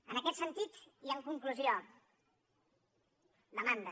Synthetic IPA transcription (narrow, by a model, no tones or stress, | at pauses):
ənəkɛt̪sənt̪it̪jəŋkuŋkluzio | d̪əmand̪ə